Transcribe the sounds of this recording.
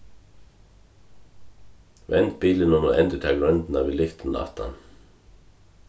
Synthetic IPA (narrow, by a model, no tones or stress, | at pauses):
ʋɛnt̪̚biːlənɔməʔɛnt̪ət̪ʰeːɡɹœnd̪n̩ɑːʋiːlʏft̪n̩d̪ɑ̰ːt̪ʰɑ̰n